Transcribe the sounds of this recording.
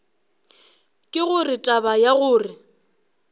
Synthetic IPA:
kʼɪɣʊrɪtʼabajaɣʊːrɪ

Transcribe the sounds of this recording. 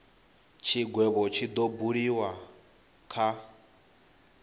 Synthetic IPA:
t͡ʃʰiɡwɛβɔt͡ʃʰid̪obuɺiwa | kʰa

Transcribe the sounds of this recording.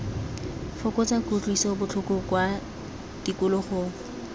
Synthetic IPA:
fʊkɔt͡sakut͡ɬʼwisɔbʊt͡ɬʰʊkʊkwa | d̥ikʊlʊχʊ

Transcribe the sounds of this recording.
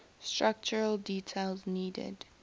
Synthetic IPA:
stɹak̚t͡ʃəɹəldiːtʰelzniːdɪ̰d̥

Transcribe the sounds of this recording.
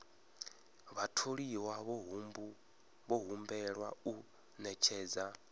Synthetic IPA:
βatʰoɺiwaβɦmbu | βɔɦumbɛɺwau | nɛt͡ʃʰɛːd͡za

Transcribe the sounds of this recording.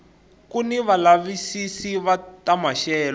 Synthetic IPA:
kuniβalaβisisiβatamaʃɛːlɔ

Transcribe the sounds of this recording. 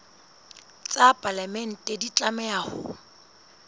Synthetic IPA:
t͡sʼapʼalamɛn̩tʼedit͡ɬʼamɛahʊ̰

